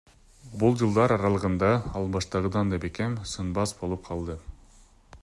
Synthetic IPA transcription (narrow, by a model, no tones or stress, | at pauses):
bulˠd͡ʒɯlˠd̪ɑɾɑɾɑlˠɯʁɯnd̪ɑɑlˠbɑʃt̪ɑʁɯd̪ɑnd̪epeke̞msɯnbɑsbo̞lˠup̚qʰɑlˠd̪ɯ